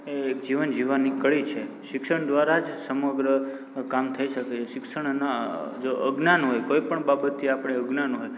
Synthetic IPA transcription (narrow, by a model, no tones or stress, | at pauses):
eːk̚d͡ʒiʋənd͡ʒiʋanːikəɭit͡ʃʰe | ʃɪkʃəɳd̪ʋaɾad͡ʒsəməɡɾə | kamt̪ʰəiʃəket͡ʃʰeʃɪkʃəɳ̃nad͡ʒoə̰ɡnanɦojkoipəɳbabət̪ʰːiapəɽ̃eəɡnanɦoj